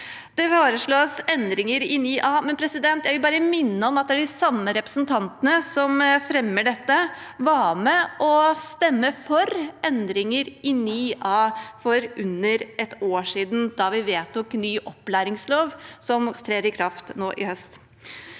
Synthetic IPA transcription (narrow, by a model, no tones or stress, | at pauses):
d̪̥ɛfoːɾəʂɭoːsɛnd̪ɾɪŋəɾɪnyːʔɑːmɛnpʰɾɛsɪd̪ɛnt̪jæɪʋɪlbɑːɾəmɪnːəɔmɑt̪̚d̪ɛæɖɪsɑmːəɾɛpɾəsnt̪ʰɑnt̪ənəsɔmfɾɛmːəɖɛt̪ːəʋɑːmɛʔɔst̪ɛmːəfɔɾɛnd̪ɾɪŋəɾɪnyːɑːfɔɾʉnːəɾɛt̪oːʂiːd̪n̩d̪ɑʋɪʋeːt̪ɔknyːʔɔpːlæːɾɪŋsloːʋsɔmt̪ʰɾeːɾɪkʰɾɑft̪noːʔɪhœst̪